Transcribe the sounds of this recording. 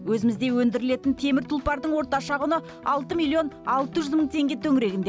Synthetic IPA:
wɵzɪmɪzd̪e̞wɵnd̪ɪɾɪle̞t̪ɪnt̪ʰe̞mɪɾt̪ʰʊlˠpɑɾd̪əɴwo̞ɾt̪ɑʃɑʁʊnə | ɑlˠt̪əmilʲˠːio̞nɑlˠt̪əʒʏzməɴt̪ʰe̞ŋɡʲe̞t̪ʰɵŋɪɾe̞ɡʲɪnd̪e̞

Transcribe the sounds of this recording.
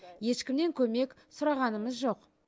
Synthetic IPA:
je̞ʃkʲɪmne̞ŋkʲʰɵme̞ksʊɾɑʁɑnəməzʒo̞q

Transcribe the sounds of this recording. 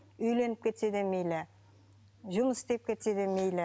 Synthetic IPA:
ɵjle̞nɪp̚kʲʰe̞t̪ed̪emejlɪ | ʒʊməsd̪ep̚kʲʰet̪ed̪emejle

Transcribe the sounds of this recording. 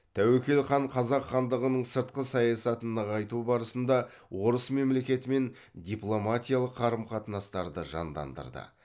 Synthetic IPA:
t̪ʰæwekʲe̞lχɑɴqʰɑzɑqχɑnd̪əʁənəɴsəɾt̪̚qəsɑjɑsɑt̪ənːəʁɑjt̪ubɑɾəsənd̪ɑ | wo̞ɾəsme̞mle̞kʲe̞t̪ɪme̞n | d̪ʲiplˠo̞mat̪ʲijalˠəqːʰɑɾəmqʰɑt̪ənɑst̪ɑɾd̪əʒɑ̰nd̪ɑ̰nd̪ə̰ɾd̪ə̰

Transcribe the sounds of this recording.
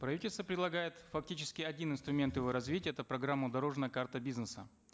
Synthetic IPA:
pɾɐvʲitʲɪlʲst̪vəpɾʲɪd̪lˠɐɡajɪt̪fɐk̚tʲit͡ɕɪ̥skʲɪɐdʲinɨnst̪ɾʊmʲe̞nt̪jɪvo̞ɾɐzvʲitʲɪəɛt̪əpɾɐɡɾamːʊd̪ɐɾo̞ʐnəjəkart̪əbʲiznəsə

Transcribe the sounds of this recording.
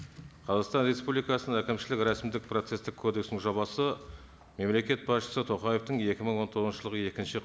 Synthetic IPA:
qʰɑzɑʁst̪ɑnre̞spublijkɑsənækʲɪmʃɪlɪkɾæsmd̪ɪk̚pro̞t̪se̞st̪ɪkʰːo̞d̪e̞ksnɪŋʒɑβɑsə | me̞mle̞kʲe̞t̪̚bɑsʃə̥sət̪ʰo̞qɑje̞ft̪əŋe̞kʲɪməɴwo̞nt̪ʰoʁzʃəlˠəʁəe̞kʲɪnʃɪ

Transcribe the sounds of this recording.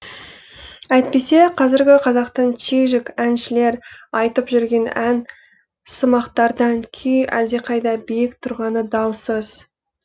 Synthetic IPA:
æjt̪̚pe̞se̞qʰɑzɪɾɡʲɪqʰɑzɑqt̪ɑnt͡ʃʰeʒɪkʲænʃɪle̞ɾɑjt̪əpʒʏɾɡʲe̞næn | səmɑqt̪ɑɾd̪ɑŋkʲʰʏjæ̰ld̪e̞qʰɑjd̪ɑbijɪkt̪ʰʊɾʁɑnəd̪ɑwsəz̥

